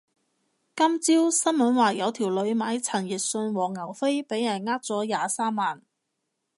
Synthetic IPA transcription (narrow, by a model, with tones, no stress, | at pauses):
kɐ˥mt͡siː˥wsɐ˥nmɐ˨˥nwaː˨˩jɐ˨˧wt̪ʰiː˨˩wlɵ˨˧ɥmaː˨˧˥jt͡sʰɐ˨˩nji˨˩t̚sɵ˧nwɔː˨˩ŋːɐ˨˩wfe˥jpe˨˥jɐ˨˩nŋaː˥t̚t͡sɔː˨˥jaː˨saː˥mːaː˨˩n